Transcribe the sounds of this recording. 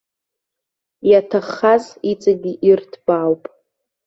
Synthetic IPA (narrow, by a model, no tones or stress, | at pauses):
jatʰaχazit͡sʼaɡʲiʔirtʰb̥aːwpʼ